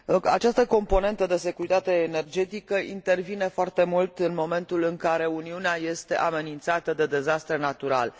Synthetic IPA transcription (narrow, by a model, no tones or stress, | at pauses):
a̰t͡ʃast̪əko̞mpo̞ne̞nt̪əd̪e̞se̞kuɾit̪at̪e̞ːne̞rd͡ʒe̞t̪ikəʔḭnt̪e̞rvine̞foart̪e̞mult̪ɨnmo̞me̞nt̪ulɨŋkaɾe̞uniuneaje̞st̪e̞ʔame̞nint̪sat̪əd̪e̞d̪e̞zast̪ɾenat̪uɾa̰l